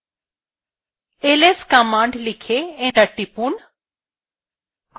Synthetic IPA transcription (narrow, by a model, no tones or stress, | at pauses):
eːleːskamãːɳɖlɪkʰeẽːdɐʈːipuːɳ